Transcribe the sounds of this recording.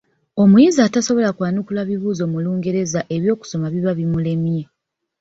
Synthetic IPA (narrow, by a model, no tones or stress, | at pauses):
o̞mujizaːtaso̞βo̞lakwaːnukulaβiβuːzo̞ːmuluːŋɡe̞ɾe̞zaʔe̞βjo̞ːku̥so̞maβiβaβimule̞mje